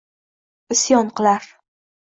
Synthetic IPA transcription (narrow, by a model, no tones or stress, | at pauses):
ɪsjɒɴqɨlˠaɾ